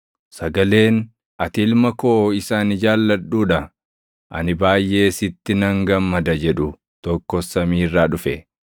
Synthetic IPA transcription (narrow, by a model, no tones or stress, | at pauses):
sɐɡɐle̞ːn | ʔɐt̪ɪlmɐko̞ːɪsaːnɪd͡ʒaːlːɐᶑuːᶑɐ | ʔɐ̰nɪbaːjʔe̞ːsɪt̪ːɪnɐŋɡɐmːɐd̪ɐd͡ʒɛᶑʊ | t̪ɔkːɔsɐmiːrːaːᶑʊfɛ